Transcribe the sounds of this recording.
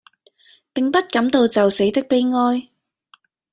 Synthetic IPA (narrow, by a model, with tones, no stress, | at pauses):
pɪ˨ŋpɐ˥t̚kɐ˨˥mt̪o˨˧wt͡sɐ˨wse˨˥jt̪ɪ˥k̚pe˥jŋɔː˥j